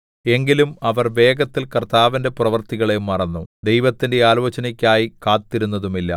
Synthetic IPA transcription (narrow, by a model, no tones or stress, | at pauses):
e̞ŋɡilumɐʋɐrʋe̞ːɡɐt̪ːilkɐrt̪aːʋinde̞purɐʋɐrt̪iɣɐɭejumːɐrɐnːud̪e̞jʋɐt̪ːinde̞aːloːt͡ɕɐnikʲːaːjikaːt̪ːiɾunːɐðumilːɐ̰